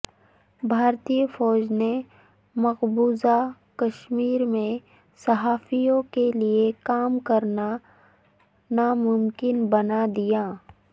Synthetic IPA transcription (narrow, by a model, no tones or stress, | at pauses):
bʱaːɾt̪ijəfɔːd͡ʒne | mɐqbuːza | kɐʃmiːɾmẽ | sɐɦaːfijõkeliekaːmkɐɾna | namʊmkɪnbɐnad̪ijaː